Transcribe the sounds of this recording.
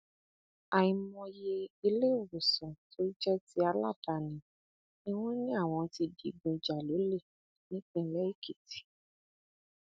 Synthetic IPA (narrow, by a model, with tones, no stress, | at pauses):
a˨i˨mɔ̃˧je˧i˧le˦˨wo˨sɔ̃˨to˦i˦d͡ʒɛ˦ti˧˦a˧la˦˨ta˨nĩ˨ | nĩ˦w̃ɔ̃˦nĩ˦a˦˨w̃ɔ̃˧ti˧di˧ɡ͡bũ˧i˨d͡ʒa˨lo˨˦le˦˨ | nĩ˦k͡pĩ˧˦˧lɛ˦i˦˨ki˨ti̥˨